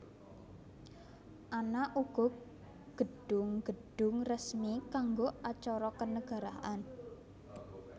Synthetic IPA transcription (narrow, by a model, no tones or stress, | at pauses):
ʔanaʔuɡ̥ɔ̤ | ɡ̥ə̤ɖ̥ʊŋɡ̥ə̤ɖ̥ʊ̤ŋrəsmikaŋɡoat͡ʃɔɾɔkənəɡ̥a̤ɾaʔan